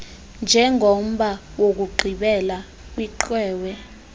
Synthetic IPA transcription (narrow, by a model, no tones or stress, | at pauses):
nd͡ʒʱɛŋʱom̩ɓa | wok̬uɡ͡ǃʱiɓɛla | k̬wiǃwɛːwɛ